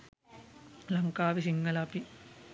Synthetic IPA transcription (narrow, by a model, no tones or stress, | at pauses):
lɐŋkaːʋisiŋɡɐlaːpi